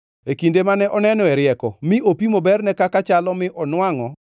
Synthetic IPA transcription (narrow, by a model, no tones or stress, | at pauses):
ekindemanɛʔɔnɛnɔɛɾɪɛkɔ̰mɪʔopimobɛrnɛkakat͡ʃalɔmɪʔɔnwaŋɔ